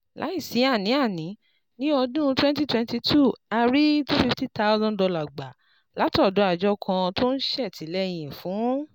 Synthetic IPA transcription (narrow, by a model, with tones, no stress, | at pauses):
la̰˨˦i˦˨si˨˦a˦˨nĩ˨˦a˦˨nĩ˨˦ | nĩ˦ɔ˧dũ˦˧twɛ̃˦n˦ti˦twɛ̃˧nti˧tʰu˦˨a˧ɾi˦to˦fi˧fti˦ta˧˦ɔ˧˦zɔ̃˦n˨dɔ˧la˨ɡ͡ba˨ | la˨˦tɔ˦˨dɔ˨˦a˦˨d͡ʒɔ˦kʰã˧to˦n̩˦ʃɛ˦˨tʰi˨˦lɛ˦j̃ĩ˨fũ˨˦